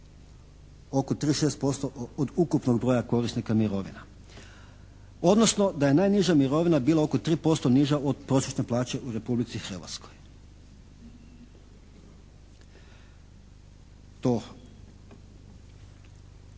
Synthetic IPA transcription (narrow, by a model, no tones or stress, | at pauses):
o̞kot̪ɾiːʃeːst̪̚po̞st̪o̞ʔod̪ukupno̞ɡbɾo̞ːjako̞ɾisnikamiɾo̞ʋḭna | o̞d̪nosno̞d̪aje̞najniʒamiɾo̞ʋinabiːlˠao̞kot̪ɾiːpo̞st̪o̞niʒaod̪pɾo̞ːsjet̪ne̞plˠaːt͡ɕe̞uɾe̞publit̪sixr̩ʋa̰t̪skoj | t̪o